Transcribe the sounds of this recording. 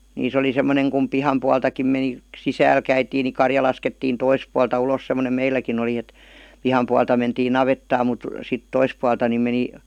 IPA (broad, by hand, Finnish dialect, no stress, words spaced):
niːs oli semːoneŋ kum pihɑm puɑltɑkim meni sisæːl kæitiːn ni kɑrjɑ lɑsketːiːn tois puɑltɑ ulos semˑonem meilːækin oli et pihɑm puɑltɑ mentiː nɑʋetːɑːm mut sit tois puɑltɑ ni meni